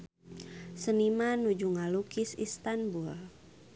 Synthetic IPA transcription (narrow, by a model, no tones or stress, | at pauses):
sənimanud͡ʒuŋalukisist̪anbul